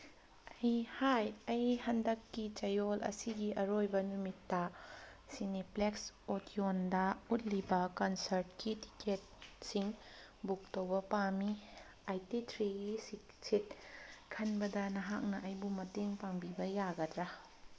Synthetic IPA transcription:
ɐjhajɐjhɐndɐkːit͡ʃɐjolʔɐ̰siɡiʔɐɾojbɐnumitːɐ | sinipleksotiondɐut̚libɐkɐnsɐɾt̚kiti̥ket̚siŋ | buk̚towbɐpami | ajtitʰɾiɡisiksit̚kʰɐnbɐdɐnɐɦak̚nɐʔɐjbumɐteŋpaŋbibɐjaɡɐdɾɐ

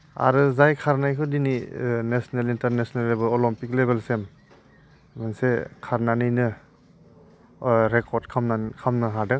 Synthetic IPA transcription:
a̰ɾɯzajkʰaɾnajkʰɯdininesɔnelintaɾnesɔnelːebelɔlɔmpik̚lebelsemː | ansekʰaɾnanɯjnɯ | ɾekʰɔɾdkʰamnakʰamnɯɦadɯ

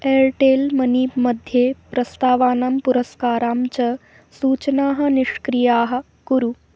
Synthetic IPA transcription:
eːɾʈeːlmɐniːpmɐd̪ʱjeːpɾɐst̪aːʋaːnampuɾɐskaːɾaːmt͡ʃɐ | suːt͡ʃnaːɦɐ̆niʂkɾijaːɦɐ̆ | ɡ̥uɾu

